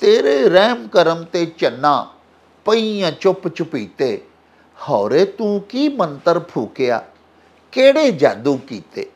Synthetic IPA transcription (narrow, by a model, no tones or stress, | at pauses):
t̪eːɾeːɾɛːmkəɾəmt̪eːt͡ʃənːãː | pəijãːt͡ʃʊpt͡ʃʊpiːt̪eː | hɔːɾeːt̪ũːkiːmənt̪əɾpʰuːkeja̰ː | keːɽeːd͡ʒaːd̪uːkiːt̪ḛː